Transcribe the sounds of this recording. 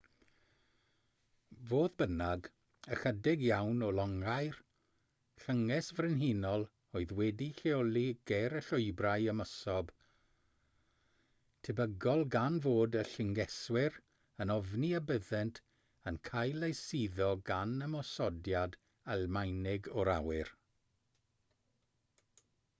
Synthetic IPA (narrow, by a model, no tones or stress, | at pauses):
voːðbənaɡ | əxədɪɡjawnɔlˠɔŋajr | ɬəŋɛsvrɪnɦiːnɔlˠ | oɨðwɛdiɬeɔlˠiɡ̥ɛɾəɬʊɨbrajəməsɔb̥ | tʰɛbəɡɔlˠɡanvoːdəɬɪŋɡɛswɪr | ənɔvniabəðɛntʰ | ənkʰajlejsiðɔɡanəmɔsɔdjad | almajnɪɡɔɾa̰wɪr